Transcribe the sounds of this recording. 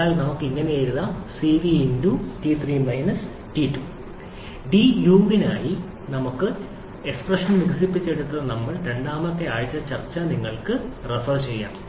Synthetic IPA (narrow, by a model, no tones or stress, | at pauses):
aːlnɐmukːɨiŋːɐneeɻuðɐsiːʋiinduʈit̪ʰriːmɐjnɐs | ʈitːu | ɖijuːʋinaːji | nɐmukːɨ | e̞ksprɐʂɐnmiɣɐsipːit͡ɕːe̞ɽut̪ːɐnɐmːɐɭɾe̞ɳɖaːmɐt̪ːe̞aːɻit͡ɕːɐt͡ɕɐrt͡ɕːɐniŋːɐɭkɨrefɐrt͡ɕe̞jːa̰ːn